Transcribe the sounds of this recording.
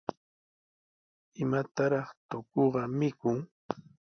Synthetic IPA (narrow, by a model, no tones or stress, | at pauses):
ɪmat̪aɾɑχt̪okoɢɑmɪkʊŋ